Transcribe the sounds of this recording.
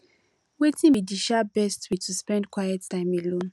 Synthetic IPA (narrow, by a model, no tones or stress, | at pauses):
wetʰĩmidiʃabɛstwitʰuspɛ̃ndkwajɛtːãɪ̃melõn